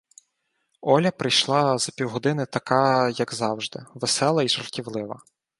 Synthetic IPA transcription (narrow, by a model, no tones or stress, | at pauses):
ɔlʲɐpɾɪjʃlˠɑzɐpʲiwɦɔd̪ɪnɪt̪ɐkɑjɐɡzɑwʒd̪ɪ̰ʋesɛlˠɐiʒɐrtʲiwlˠɪʋɐ̰